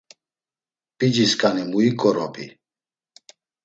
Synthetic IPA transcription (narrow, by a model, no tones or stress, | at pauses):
pʼid͡ʒiskʼanimuikʼɔɾɔpʼi